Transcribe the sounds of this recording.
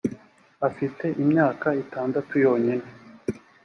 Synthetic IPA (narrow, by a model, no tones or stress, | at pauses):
afite̞ʔimɲaːkaitaːndatujo̞ːɲine